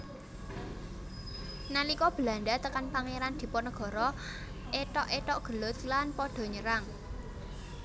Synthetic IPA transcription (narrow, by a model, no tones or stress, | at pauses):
nalikɔb̥əla̤nɖ̪at̪əkanpaŋeɾand̪̥i̤pɔnəɡ̥ɔ̤ɾɔ | ʔeʈɔʔeʈɔʔɡ̥ə̤lʊt̪lanpɔɖ̥ɔ̤ɲəɾaŋ